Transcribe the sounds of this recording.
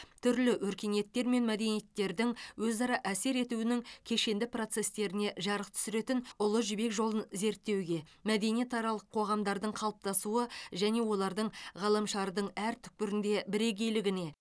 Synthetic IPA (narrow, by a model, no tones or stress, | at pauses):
t̪ʰʏɾlɪwɵɾkʲe̞nije̞t̪ːe̞ɾme̞nmæd̪e̞nije̞t̪ːe̞ɾd̪ɪŋwɵzɑɾɑʔæse̞ɾe̞t̪uɪnɪŋkʲʰe̞ʃe̞nd̪ɪpro̞t̪se̞st̪e̞ɾɪne̞ʒɑɾəqt̪ʰʏ̥sɪɾe̞t̪ɪnʊlˠəʒʏbe̞kʒo̞lˠənze̞ɾt̪ːe̞wɡʲe̞mæd̪e̞nijet̪ɑɾɑlˠəqʰːo̞ʁɑmd̪ɑɾd̪əɴqʰɑlˠəp̚t̪ɑsuəʒæne̞wo̞lˠɑɾd̪əɴʁɑlˠəmʃɑɾd̪əɴæɾt̪ʰʏ̥k̚pɪɾɪnd̪e̞bɪɾe̞ɡʲe̞jlɪɡʲɪne̞